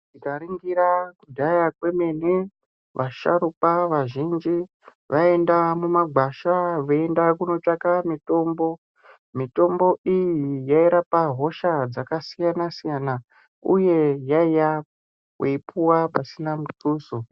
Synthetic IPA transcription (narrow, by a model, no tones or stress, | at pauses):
tikaɾiŋɡiɾakudʱajakwe̞meni | ʋʔaʃa̰ɾupaʋaʒind͡ʒi | ʋae̞ndamumaɡʱwaʃaʋeendakuno̞t͡ʃakamito̞ːmbo̞ | mito̞mbo̞ʔijijaiɾapaɦo̞ʃad͡zakasijanasijana | uje̞jaija | weipuwapasinamutuːso